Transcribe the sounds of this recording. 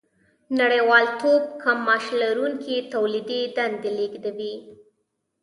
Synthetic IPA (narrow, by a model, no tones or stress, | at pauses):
naɽəjwɑlt̪ob̚kʰamːɑʃlaɾuŋkit̪awlid̪ed̪and̪eleɡd̪awi